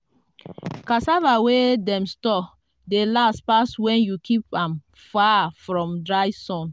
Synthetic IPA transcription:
kasavawedɛ̃mstɔ | delastpaswɛ̃njukʰipãm | fafɹɔ̃mdɹaɪsɔ̃n

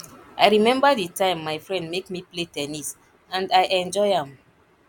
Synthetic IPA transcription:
ʔajɹimɛ̃mbəðitãɪ̃mːaɪfɹɛ̃ndmekmipletɛnis | ãndaɪʔɛ̃nd͡ʒɔɪãm

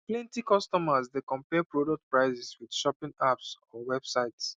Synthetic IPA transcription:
klɛ̃ntikɔstɔmasdekɔ̃mpɛpɹodɔk̚t̚pɹaɪzɛswid̥ʃɔpĩŋapsɔwɛb̥saɪts

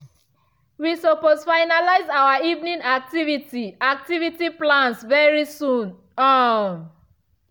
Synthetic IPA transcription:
wisoposfaɪnalaɪzawaivnĩnak̚tivitiak̚tivitiplãnsvɛɹisũn | ɔn

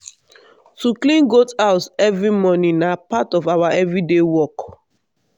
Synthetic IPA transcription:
tuklĩnɡotaʊtɛvɹimɔnĩnapatɔvawaʔɛvɹidewɔk

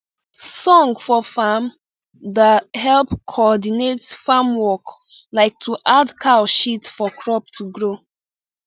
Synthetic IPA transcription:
sɔ̃ŋɡfɔfam | dahɛlpkʰɔɔdinetfamwɔk | laɪk̚tʰuʔadkʰaʃitfɔkʰɹɔp̚tʰuɡɹo

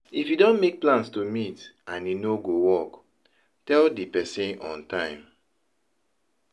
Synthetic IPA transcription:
ifjidɔ̃nmek̚plãnstumitãninoɡowɔk | tɛldipɛsĩnɔ̃ntãɪ̃m

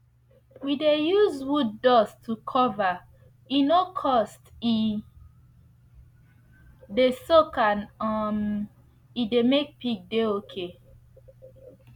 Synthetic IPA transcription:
widejuzwud̚ːɔstʰukʰɔva | inokʰɔsti | desokãnɔm | idemek̚pik̚deokʰe

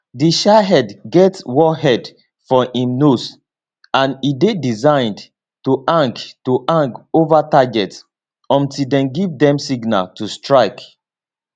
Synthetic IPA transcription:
diʃaɦɛdɡɛtwɔɦɛd | fɔʔĩmnos | ãnidedizãɪ̃nd | tuʔãŋktuʔãŋkovataɡɛts | ɔ̃ntildɛ̃nɡivdɛ̃msiɡna̰ltustɹaɪk

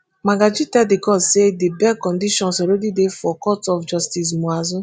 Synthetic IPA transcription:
maɡad͡ʒitɛdɪkɔsedɪbɛkɔn̩diʃɔnsoɾedidefɔkɔtɔfd͡ʒɔstis̬muazʊ

